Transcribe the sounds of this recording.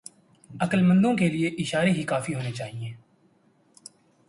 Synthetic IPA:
ɐkəlmə̃nd̪õkelieʔɪʃaːɾeɦikaːfiɦoːnet͡ʃaːɦiẽː

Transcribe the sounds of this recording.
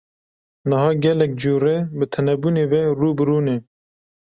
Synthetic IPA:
nɨhɑːɡɛlɛk̚d͡ʒuːɾebɨt̪ʰɛnɛbuːneːveːruːbɨɾuːneː

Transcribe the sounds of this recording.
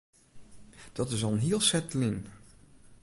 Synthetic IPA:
d̥ɑtɪsɔlˠnɦiəlˠsɛtlɪn

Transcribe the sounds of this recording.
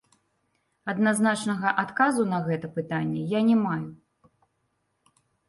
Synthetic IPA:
ɐd̪naznat͡ʂnɐɣɐʔat̪kazunɐɣɛt̪ɐpɨt̪anʲːɛjanʲɛmaju

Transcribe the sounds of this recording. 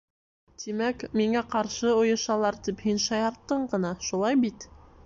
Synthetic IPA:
t̪imækmiŋæqɑɾʃɤŏjɤ̆ʃɑlˠɑɾt̪iphinʃɑjɑɾt̪ːɤɴɢɤ̆nɑʃulˠɑjbit̪

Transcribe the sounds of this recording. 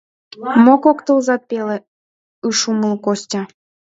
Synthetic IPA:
mokokt̪əlzɑt̪̚pelĕ | ɯʃuməlˠkosʲtʲɑ

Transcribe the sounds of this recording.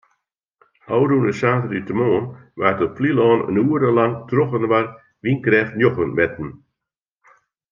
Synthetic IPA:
ʔɔwɾunəsaːtəritəmoːnʋaːrtɔflilˠɔːnə̰nuːəɾəlaŋtroxənʋar | ʋinkrɛːxtnjoxənmɛtn̩

